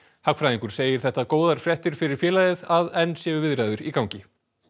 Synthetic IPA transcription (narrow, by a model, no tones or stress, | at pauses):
hakfɾajðiŋkʏɾ̥seːjɪɾ̥θɛht̪akoːwðaɾ̥fɾɛht̪ɪɾ̥fɪɾɪɾ̥fjɛːlaðɪðaðɛnːsjɛːvʏvɪðɾajðʏɾikawɲcɪ